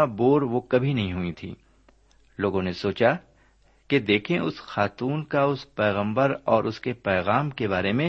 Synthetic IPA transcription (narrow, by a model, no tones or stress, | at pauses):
aboːɾʋokɐbʱinɐɦĩɦʊit̪ʰḭː | loːɡõnesoːt͡ʃa | ked̪eːkʰẽʊsxaːt̪uːnkaʊspɛːɣə̃mbəɾɔːɾʔʊskepɛːɣaːmkebaːɾemẽ